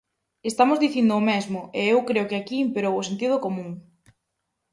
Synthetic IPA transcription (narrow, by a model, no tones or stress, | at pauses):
est̪amʊzðiθind̪ʊːmezmʊeewkɾeʊkɪakiːmpeɾowʊsent̪ið̞ʊkomũŋ